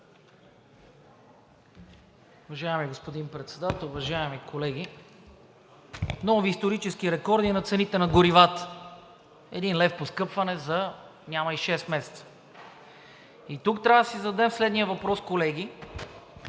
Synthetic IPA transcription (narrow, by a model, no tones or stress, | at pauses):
uvɐʒaɛmiɡospod̪inpɾɛt̪sɛd̪at̪əlˠʊvɐʒaɛmikʰolɛɡʲi | nɔviːst̪oɾit͡ʃɛskiɾɛkɔɾd̪inɐt̪sɛnit̪ɛnɐɡʊɾivat̪ | ɛd̪inlɛfposkɤpvɐnɛzɐnʲamɐiʃɛst̪mɛsɛ̥t̪sə̥ | it̪ukt̪ɾʲavəd̪ɐsizɐd̪ɛmslɛd̪niəvɐpɾɔskolɛɡʲi